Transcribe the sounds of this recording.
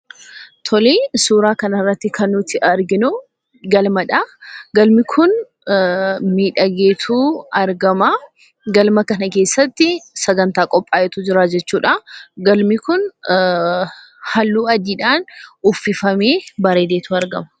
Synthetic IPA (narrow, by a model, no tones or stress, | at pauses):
t̪ʰɔleːsuːɾaːkɐnɐrːɐt̪ːɪkʰɐnːʊt̪ɪʔɐɾɡɪnʊ | ɡɐlmɐᶑaɡɐlmɪkʰʊn | miːᶑɐɡe̞ːt̪ʰuːɐɾɡɐmɐ | ɡɐlmɐkɐnɐke̞ːsːɐt̪ːɪsɐɡɐnt̪aːkʼɔpʼːaːjɛt̪uːd͡ʒɪɾaːd͡ʒɛt͡ʃːuːᶑɐɡɐlmɪkʊn | hɐlːuːɐd̪iːᶑaːnʊfːɪfɐme̞ːbɐɾeːd̪eːt̪uːɐɾɡɐmɐ̥